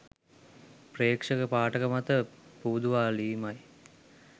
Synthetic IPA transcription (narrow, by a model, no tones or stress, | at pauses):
preːkʂəkəpaːʈəkəmat̪əpuːd̪uʋaːliːmaj